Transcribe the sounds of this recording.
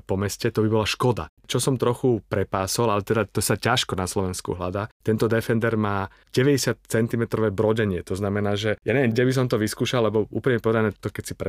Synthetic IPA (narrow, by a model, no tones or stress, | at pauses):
pɔmɛscɛt̪ɔbibɔlaʃkɔd̪a̰ | t͡ʃɔsɔmt̪ɾɔxupɾɛpaːsɔlalɛt̪ɛd̪at̪ɔsacaʃkɔnaslɔʋɛnskṵɦlad̪aːt̪ɛnt̪ɔd̪ɛfɛnd̪ɛɾmaː | ɟɛʋɛɟɛsɪat̪̚t͡sɛnt̪imɛt̪ɾɔʋɛːbɾɔɟɛɲɪɛt̪ɔznamɛnaːʒɛjaɲɛʋjɛɡɟɛbis̬ɔmt̪ɔʋiskuːʃallɛbɔṵːpliɲɛpɔʋɛd̪anɛt̪ɔkɛcsipɛ